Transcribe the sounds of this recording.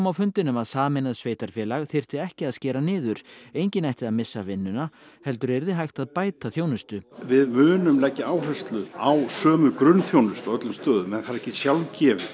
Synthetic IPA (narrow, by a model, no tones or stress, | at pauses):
mawfʏnt̪ɪnʏmaðsaːmɪnaðsveːjt̪aɾ̥fjɛːlaɣθɪr̥t̪ɪɛhcɪaðscɛːɾanɪːðʏɾeːjɲcɪnajht̪ɪðaðmɪsːavɪnːʏna | hɛl̪t̪ʏɾɛɾðɪɦajht̪aðpaːjt̪aθjownʏst̪ʏvɪðmʏːnʏmlɛcːɪaːwɦœst̪lʏawsœːmʏkɾʏnθjoːwnʏst̪ɔœt̪lʏmst̪œːðʏmɛnθaɾɛhcːɪsjawlcɛːvɪ